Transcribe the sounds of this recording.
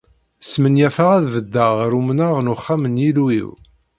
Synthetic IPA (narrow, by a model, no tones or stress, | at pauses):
smənjæfaʁæðvəd̪ːəʁɾumnəʁnʊχːamənjilwḭw